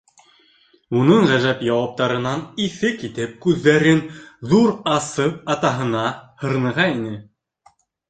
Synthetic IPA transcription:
unɤɴʁæʒæpjɑwɑp̚t̪ɑɾɤ̆nɑniθɘkit̪ɘp̚kʉðːæɾɘnðuɾɑsɤp̚ɑt̪ɑɦɤ̆nɑhɤ̆ɾɤ̆nɤ̆ʁɑinɘ

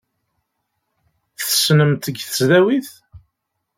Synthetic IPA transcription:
θəsnəmt̪əɡθəzðæwiθ

